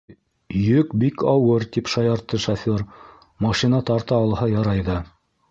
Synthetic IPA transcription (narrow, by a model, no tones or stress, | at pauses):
jɵkbikɑwɤɾt̪ipʃɑjɑɾt̪ːɤʃafʲoɾ | mɑʃinɑt̪ɑɾt̪ɑːlˠhɑjɑɾɑjðɑ